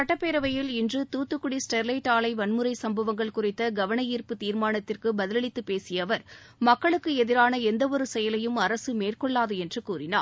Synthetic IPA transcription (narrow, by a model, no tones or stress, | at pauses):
sɐʈːɐpːeːɾɐʋɐjɪlɪndrɯt̪uːt̪ːɯkːʊɽisʈɛɾlɐɪʈaːlɐɪʋɐnmɯɾɐɪsɐmbɐʋɐŋɡɐɭkʊrɪt̪ːɐɡɐʋɐɳɐjiːrpɯt̪iːɾmaːnɐt̪ːɪrkɯbɐðɪlɐɭɪt̪ːɯpːeːsɪjɐʋɐɾ | mɐkːɐɭɯkːɯɛðɪɾaːnɐɛnd̪ɐɔɾɯsɛjɐlɐjɯmɐɾɐsɯmeːrkɔɭːaːðɯɛndrɯkuːrɪna̰ː